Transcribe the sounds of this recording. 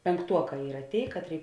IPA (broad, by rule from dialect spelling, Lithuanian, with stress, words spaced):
pʲɛŋˈktuɔˌkɑː ˈiːrɐ ˈtʲeːɪ ˈkɑːtʲˌrʲeːɪ